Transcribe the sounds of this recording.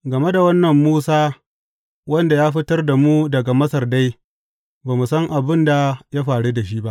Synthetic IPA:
ɡɐ˨me˦da˨wɐ˦nːɐ˨mːuː˦saː˦ | wɐ˦nda˨jaː˦ɸɪ˦tɐ˦rda˨muː˦dɐ˨ɡa˨mɐ˦sɐ˨rda˦j | baː˨mu˨sɐ˦ŋʔa˨bɪ˦nda˨ja˦ɸaː˨ɽu˦da˨ʃ̬i˦ba˦ʔ

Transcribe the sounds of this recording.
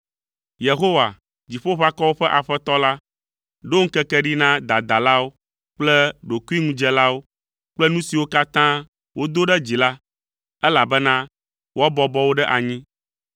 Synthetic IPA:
je˨ɦo˦wa̰˨ | d͡ʑi˨ɸo˦ɸa˦kɔ˦wo˦ɸɛ˦ʔa˨ɸɛ˦t̪ɔ˦la˦ | ɖo˦ŋ̩˦kɛ˦kɛ˦ɖi˦nã˦d̪a˨d̪a˨la˦wo˦ | k͡plɛ˦ɖo˨ku˦i˦ŋũ˦d͡ʒɛ˦la˦wo˦ | k͡plɛ˦nũ˦si˨wo˦ka˦t̪ã˦ | wo˦d̪o˦ɖɛ˦d͡ʑi˨la˦ | ɛ˦la˨bɛ˦nã˦ | wʔo˦a˦bɔ˦bɔ˦wo˦ɖɛ˦ʔa˨ɲĩ˦

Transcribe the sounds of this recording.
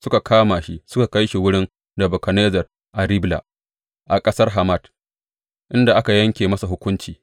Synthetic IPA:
sʊ˦ka˨kʰaː˦ma˨ʃi˦sʊ˦ka˨ka˦jʃi˨wʊ˦ɽɪ˦n | dɐ˨bɔ˨kɐ˨neː˦zɐ˨r | ʔa˨ɾɪ˦bla̰˨ | ʔa˨kʼɐ˦sɐ˦rɦa˨ma˦d | ʔɪ˦nda˨ʔa˦ka˨jɐ˦ŋkʲeː˨mɐ˦sa˨ɦʊ˦kʷʊ˦nt͡ʃiː˨

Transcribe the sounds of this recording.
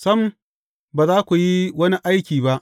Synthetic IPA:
sɐ˦m˨˦ | baː˨zaː˦kʷu˨ji˦wɐ˦ni˦ʔa˦jkʲiː˨ba˦ʔ

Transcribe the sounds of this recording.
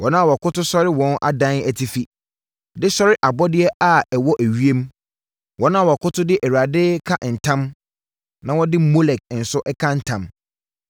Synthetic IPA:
wʔɔ˨nã˦a˨wɔ˨kʰʊ˦tʊ˦sɔ˦ɾɪ˦wɔ̃˦nʔa̰˨dã˦næ˨tʰi˨fi˦ | dɪ˦sɔ˦ɾɪ˦ʔa˨bɔ˦dɪ˦ɛ˦ʔa˨ɛ˨wɔ˦ʔæ˨ɥi˦e˦m˦ | wɔ˨nã˦˨wɔ˨kʊ˦tʰʊ˦dɪ˦ʔæ˨ɥa˨dɪ˦kʰa˦ʔn̩˨tʰã˦m | nã˦wɔ˦dɪ˦mo˦lɛ˨k̚n̩˨sʊ˦ʔɛ˦kʰã˦n̩˦tʰã˨m

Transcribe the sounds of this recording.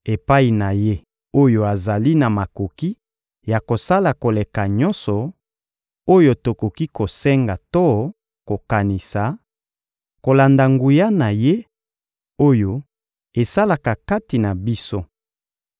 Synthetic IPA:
e˨pa˦i˨na˨je˦ | o˦jo˦a˨za˨li˦na˨ma˨ko˨ki˦ | ja˨ko˨sa˦la˨ko˨le˨ka˨ɲɔ˦nsɔ˨ | o˦jo˦˨to˨ko˨ki˦ko˨sɛ˦ŋɡa˨to˦ | ko˨ka˨ni˨sa˨ | ko˨la˨nda˨ŋɡu˨ja˦na˨je˦ | o˦jo˦ | e˨sa˦la˨ka˨ka˦ti˨na˨bi˦so˦

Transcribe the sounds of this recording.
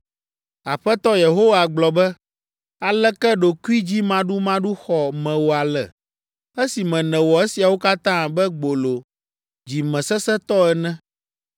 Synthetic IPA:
a˨ɸɛ˦t̪ɔ˦je˨ɦo˦wa˨ɡ͡blɔ˨bɛ˦ | a˨lɛ˦kɛ˦ɖo˨ku˦i˦d͡ʑi˦mã˦ɖu˦mã˦ɖu˦xɔ˨mɛ̃˨wo˨a˨lɛ̰˨ | e˦si˨mɛ̃˨nɛ̃˨wɔ˨e˦si˨a˨wo˦ka˦t̪ã˦bɛ˦ɡ͡bo˨lo˨ | d͡ʑi˨mɛ̃˨sɛ˦sɛ˦t̪ɔ˦ɛ˦nɛ̃˦

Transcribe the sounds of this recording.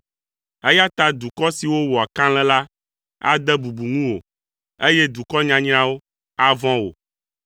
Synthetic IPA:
e˦ja˦t̪a˦d̪u˨kɔ˦si˨wo˦wɔ˨a˨kã˦l̃ɛ̃˦la˦ | a̰˦d̪ɛ˦bu˨bu˨ŋũ˦wo˨ | e˦jɛ˦d̪u˨kɔ˦ɲã˨ɲ̃˦ã˦wo˦ | a˦vɔ̃˦wo̰˨

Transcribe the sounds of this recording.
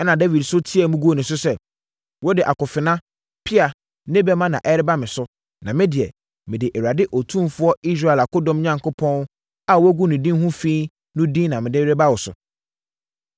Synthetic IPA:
ɛ˦nã˨da˦vi˨dsʊ˦tʰi˦ɛ˨mũ˦ɡu˦o˨nʊ̃˨sʊ˦sɛ˨ | wɔ˦dɪ˨ʔa˨kʊ˨fɪ˨nã˦ | pʰɪ˦a˨ | nɪ̃˦bɛ˦mã˦nã˨ʔɛ˦ɾɪ˦ba˦mɪ̃˨sʊ˦ | nã̰˨mɪ̃˦dɪ˨ɛ˨ | mɪ̃˨dɪ˨ʔɛ˨ɾa˨dɪ˦ʔɔ˨tʰũ˦mfʊ˦ɔ˦i˦s̬ɾa˦˨ɛ˨la˨kʊ˦dɔ̃˦mɲã˦ŋkʊ˦pʰɔ̃˦n˦ | a˨wæ˦ɡʷu˦nʊ̃˨dĩ˦nhũ˦fĩː˦ | nʊ̃˦dĩ˦nã˨mɪ̃˨dɪ˦ɾɪ˦ba˦wɔ˨sʊ̰˨

